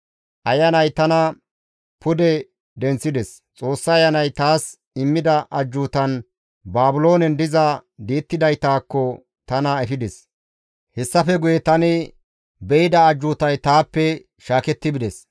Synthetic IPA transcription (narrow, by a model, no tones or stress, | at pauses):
ʔɐjɐnɐjt̪ɐnɐ | pʊd̪ɛ | d̪ɛnt͡sːɪd̪ɛs | t͡sʼo̞ːsːɐːjɐnɐjt̪aːs | ɪmːɪd̪ɐʔɐd͡ʒːuːt̪ɐn | baːbʊlo̞ːnɛnd̪ɪzɐd̪iːt̪ːɪd̪ɐjt̪aːkːɔ | t̪ɐnɐɛfɪd̪ɛs | hɛsːɐfɛɡʊjɛt̪ɐnɪ | bɛɪd̪ɐːd͡ʒːuːt̪ɐjt̪aːpːɛ | ʃaːkɛt̪ːɪbɪd̪ɛs